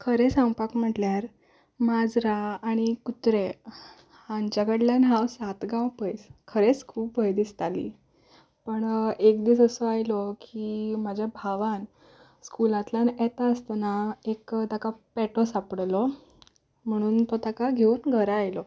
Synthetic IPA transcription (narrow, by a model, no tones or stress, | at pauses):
kʰəɾesãwpakm̤əʈljaɾ | mad͡zɾaːɽ̃ikut̪ɾe | haɲt͡ɕjakəɽljanɦawsat̪ɡãwpəjskʰəɾet͡skʰuːpʋəjd̪ist̪alḭː | pəɳekd̪iːt͡səsɔajlɔkimad͡ʑʱjabʱaʋan | skulãt̪lanɛt̪aəst̪naekt̪akapɛʈɔsapɽlɔ | m̤əɽ̃uːnt̪ot̪akaɡʱeunɡʱəɾaːjlɔ